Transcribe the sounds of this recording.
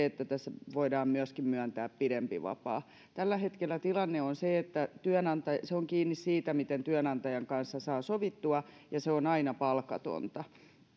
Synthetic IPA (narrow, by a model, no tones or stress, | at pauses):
et̪ːæt̪æsːæʋoidɑːmmyøskimmyænt̪æːppidempḭʋɑ̰pɑ̰ː | t̪ælːæhet̪kelːˑæt̪ilɑnːeonseet̪ːæt̪yœnɑnt̪ɑseoŋkiːnːissiːt̪æmit̪ent̪yœnɑnt̪ɑjɑŋkɑnsːɑsɑːsoʋit̪ːuɑ | jɑseonɑinɑpɑlkɑ̰t̪o̰nt̪ɑ